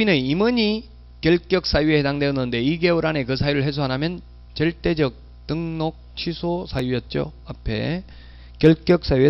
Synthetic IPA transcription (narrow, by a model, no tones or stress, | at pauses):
inɯnimɯɲi | kjʌɭk͈jʌk̚s͈ajuehe̞daŋdeʌnːɯnde̞iɡe̞ɯɾane̞kɯsʰajuɾɯɭɦe̞sʰoanɦamjʌn | t͡ɕʌɭt͈e̞d͡ʑʌk̚ | t͈ɯŋnok̚t͡ɕʰisʰosʰajujʌt̚t͡ɕ͈o̰apʰe̞̰ | kjʌɭk͈jʌk̚s͈ajue